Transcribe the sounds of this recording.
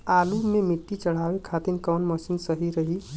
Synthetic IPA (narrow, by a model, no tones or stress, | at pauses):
alumemiʈːit͡ʃəɽ̤aʋekʰat̪inkɔnməsinsəɦiɾəɦi